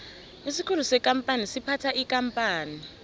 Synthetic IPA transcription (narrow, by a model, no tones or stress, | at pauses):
isikʰul̤usɛkʼam̩pʼanisipʰatʰaʔikampʼaːni